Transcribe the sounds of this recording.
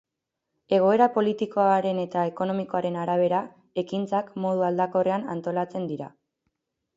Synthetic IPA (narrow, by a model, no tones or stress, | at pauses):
e̞ɣ̞o̞e̞ɾapo̞lit̪iko̞aɾe̞ne̞t̪ae̞ko̞no̞miko̞aɾe̞naɾaβ̞e̞ɾa | e̞kint͡sakmo̞ðuald̪ako̞re̞ana̰nt̪o̞lat͡se̞nd̪iɾa̰